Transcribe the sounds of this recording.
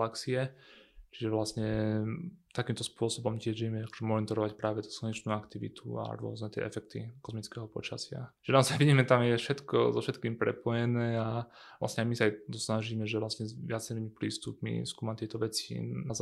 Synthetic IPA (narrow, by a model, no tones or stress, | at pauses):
laksiɛt͡ʃiʒɛʋlasɲɛ | t̪akiːmt̪ɔspʊɔsɔbɔmcɪɛʒʋijɛmɛakɔ̥ʒɛmɔnit̪ɔɾɔʋacpɾaːʋɛt̪u̥slɔɲɛt͡ʃnuːakt̪iʋḭt̪ʰṵa̰ɾʊɔ̰znɛt̪ɪɛ̰ʔɛfɛk̚t̪ḭkɔzmit͡skɛɦɔpɔ̰t͡ʃasɪa̰t͡ʃiʒɛnaɔzajʋiɟiːmɛt̪amjɛfʃɛt̪kɔ̰zɔfʃɛt̪kiːmpɾɛ̰pɔjɛnɛːala̰sɲɛajmisaajt̪ɔsnaʒiːmɛʒɛʋlasɲɛzʋɪat͡sɛɾiːmipɾiːst̪upmḭskuːmat̪ɪɛt̪ɔʋɛt͡sḭnaz